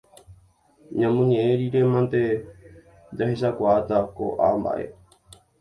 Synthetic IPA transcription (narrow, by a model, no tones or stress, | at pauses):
ɲãmõɲẽeɾiɾemãnt̪e | d͡ʒahesakʷaːt̪ako̰ʔa̰mba̰ʔḛ